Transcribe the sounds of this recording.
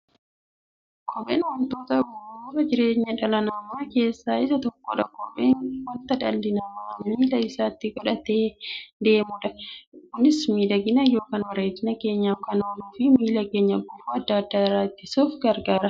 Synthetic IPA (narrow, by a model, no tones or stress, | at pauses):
kʰɔɓḛːnwɐnt̪o̞ːt̪ɐbʊfʊɾɐd͡ʒɪɾe̞ːɲːɐᶑɐlɐnɐmːaːke̞ːsːaːɪsɐt̪ɔkːoᶑɐ̰kɔbeːnwɐnt̪ɐᶑɐ̰lːɪnɐmiːlɐɪsaːt̪ːɪɡɔᶑɐt̪eːd̪e̞ːmʊᶑɐkːʊnɪsmiːd̪ɐɡɪnɐjo̞ːkaːnwɐɾeːt̪ːɪnɐke̞ːɲːaːfkanoːluːfɪmiːlɐke̞ːɲːɐbʊfuɐd̪ːɐɐd̪ːaːɪɾaːt̪ːɪsuːfɡɐɾɡaːɾɐ